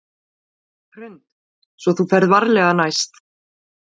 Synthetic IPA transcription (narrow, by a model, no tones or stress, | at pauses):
ɾ̥ʏnt̪ | svɔθufɛɾðvaɾlɛɣanajst̪